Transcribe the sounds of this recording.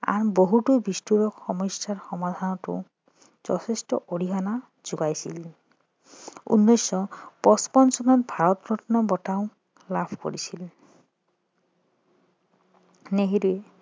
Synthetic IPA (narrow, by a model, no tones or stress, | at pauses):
a̰ɹboɦutubistuɹɔkxɔmɔjsaɹxɔmad̪ʱanɔtʊ̰ | z̥ɔ̰tʰestɔ̰ʔoɹiɦana | z̥uɡajsḭl | ṵnːɔjsɔpɔspɔnsɔnɔt̚bʱaɹɔt̪ɡɹɔtʰɔnɔbɔtaʊ | lapʰko̰ɹisil | neɦiɾuɛ